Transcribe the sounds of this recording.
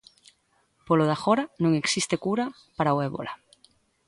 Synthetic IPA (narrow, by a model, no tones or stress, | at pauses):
poloðaxoɾanũŋeksist̪ekuɾa | paɾaoeβo̰la